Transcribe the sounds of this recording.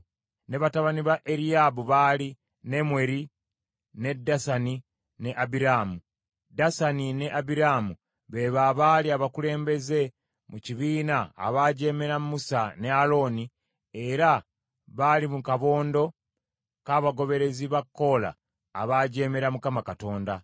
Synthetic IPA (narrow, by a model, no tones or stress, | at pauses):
neβataβaniβaʔe̞ɾiabuβaːli | ne̞mweɾi | ne̞dːasani | ne̞ʔabiɾaːmu | dasanine̞ʔabiɾaːmu | βe̞βaβaliaβakule̞ːmbe̞ze̞ | muciβiːna̰ːβaːɟe̞ːme̞ɾamumːusane̞alo̞ni | e̞ɾa | βalimukaβo̞ːndo̞ | kaːβaɡo̞βe̞ɾe̞ziβakːo̞la̰ː | βaːɟe̞ːme̞ɾamukamakato̞ːnda